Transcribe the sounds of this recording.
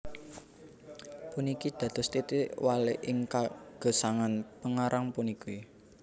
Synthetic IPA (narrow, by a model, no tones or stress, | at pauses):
punikid̪̥ä̤d̪̥ɔ̤st̪it̪iʔwaleʔɪŋkaɡ̥o̤saŋanpəŋaɾʔaŋpuniki